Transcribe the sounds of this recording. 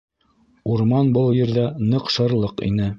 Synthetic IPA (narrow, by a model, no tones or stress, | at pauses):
uɾmɑnbɤlˠjɘ̆ɾðænɤqʃɤ̆ɾlˠɤqḭnɘ